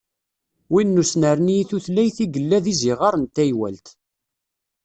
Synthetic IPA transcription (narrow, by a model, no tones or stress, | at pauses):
winːusnəɾniθuθlæjθiɡəlːæðiziʁɑɾˤənt̪æjwæ̰lt̪